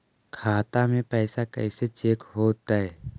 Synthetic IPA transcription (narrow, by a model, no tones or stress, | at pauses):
kʰaːt̪amẽpɛːsakɛ̰ːset͡ʃeːkɦoːt̪aɦɛ